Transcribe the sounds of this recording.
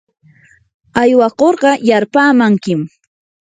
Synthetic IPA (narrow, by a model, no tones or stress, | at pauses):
ajwɑqoɾɢɑjaɾpaːmaŋkɪm